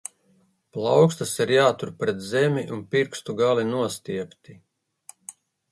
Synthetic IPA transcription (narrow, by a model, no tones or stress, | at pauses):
plˠɑwkst̪asiɾjaːt̪uɾpɾɛt̪zɛmʲiʔunpiɾkst̪uɡalinuɔst̪iɛkt̪i